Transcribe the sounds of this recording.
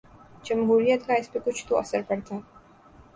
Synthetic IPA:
d͡ʒɐmɦuːɾijət̪kaɪspekʊt͡ʃʰt̪oɐ̰səɾpɐɾt̪aː

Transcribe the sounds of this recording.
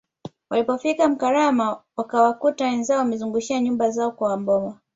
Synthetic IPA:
walipɔfikam̩kaɾamawakawakutawɛnzaɔwamɛzuŋɡuʃiaɲumbazaɔkwawambɔwa

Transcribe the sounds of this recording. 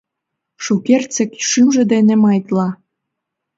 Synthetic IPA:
ʃukert͡sə̆kʃymʒĕd̪enĕmɑjt̪lɑ

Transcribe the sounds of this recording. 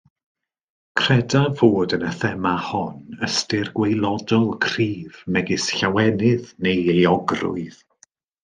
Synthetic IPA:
kʰr̥ɛdavoːdənəθɛmahɔnəstɪrɡwejlˠɔdɔlˠkʰriːvmɛɡɪsɬawɛnɪðnejejɔɡrʊ̰ɨð

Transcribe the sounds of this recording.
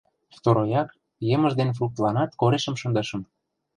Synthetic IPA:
ft̪oɾojɑk | jɤ̆mə̆ʒd̪enf̬ruk̚t̪lɑnɑt̪koɾeʃə̆mʃɤ̆nd̪ɤ̆ʃə̆m

